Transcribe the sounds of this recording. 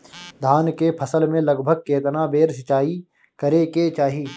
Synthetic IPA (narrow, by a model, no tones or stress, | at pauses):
d̪ʱaːnkepʰəsəlmẽlɐɡbʱəɡ̚keːt̪nabeːɾsɪt͡ʃaːi | kəɾeket͡ʃaːɦiː